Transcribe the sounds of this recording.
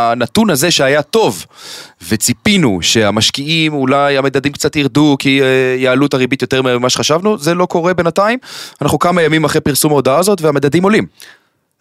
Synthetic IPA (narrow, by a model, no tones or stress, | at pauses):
anat̪unaze̞ʃeajat̪o̞vvet͡sipinṵʃe̞amaʃkiimulajamed̪ad̪imkt͡sat̪jiʁd̪ukijaːlutaʁibit̪jo̞t̪e̞ʁmimaʃeχaʃavnuze̞lo̞ko̞ʁe̞be̞nataimanaχnukamajamimaχʁepiʁsumaodaazo̞tveamed̪ad̪imo̞lim